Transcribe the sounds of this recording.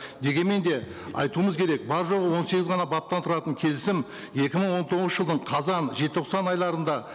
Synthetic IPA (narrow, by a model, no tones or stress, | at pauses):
d̪e̞ɡʲenme̞nd̪e̞ | ɑ̰jt̪uəməzkʲʰe̞ɾe̞k̚bɑɾʒo̞ʁəwo̞nse̞ɡʲɪzʁɑnɑbɑp̚t̪ɑnt̪ʰʊɾɑt̪əɴkʲʰe̞lɪsɪm | je̞kʲɪməɴwo̞nt̪ʰo̞ʁənəʒəlˠd̪əɴqʰɑzɑnʒet̪ɪt̪oqsɑnɑjlˠɑɾənd̪ɑ